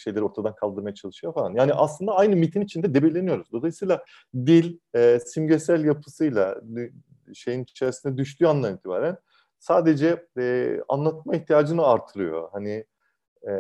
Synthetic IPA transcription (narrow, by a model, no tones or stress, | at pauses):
ʃejlʲeɾoɾt̪ʰad̪ankʰalˠd̪ɯɾmajat͡ʃʰalˠɯʃɯjofalˠanjaːniʔa̰slˠɯnd̪aajnɯmit̪ʰinit͡ʃʰind̪ɛd̪ebelʲe̞nijo̞ɾuzd̪o̞lˠajsɯjlˠa | d̪ilʲɛsimɟøsælʲjapʰɯsɯjlˠa | ʃe̞jinit͡ʃʰeɾisind̪ɛd̪yʃt̪ʰyand̪ˠaniːt̪ʰiba̰ːɾæn | saːd̪e̞d͡ʒɛɛa̰nlˠat̪̚maiçt̪ʰijaːd͡ʒɯnɯaɾt̪ʰɯɾɯjo̞̰hani | ɛ